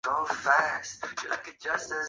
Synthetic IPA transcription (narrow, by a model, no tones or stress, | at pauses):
oʊfæst̚ɨlaɪkɨ̥d͡ʒʌstɨ